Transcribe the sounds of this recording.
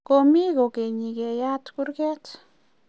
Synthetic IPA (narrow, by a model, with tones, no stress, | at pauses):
ko˧mi˦ɡo˨ke˨ɲi˨ɡe˨ja˦t̪ku˦ɾɡe˦t